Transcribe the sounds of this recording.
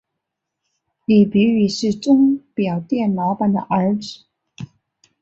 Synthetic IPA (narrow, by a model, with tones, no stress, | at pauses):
li˨˩py˧˥y˨˩ʂɻ̩˥˩ʈ͡ʂʊ˥ŋpjɑ˨˩ʊt̪jɛ˥˩nlɑ˧˥ʊpa˨˩nd̪ə̰˨˩ʔə˞˧˥ʈ͡ʂ̩˨˩˦